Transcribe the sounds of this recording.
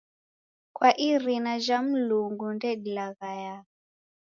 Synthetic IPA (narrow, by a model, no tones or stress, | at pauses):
kwaʔiɾinaʒam̩luŋɡundɛdilaɣaja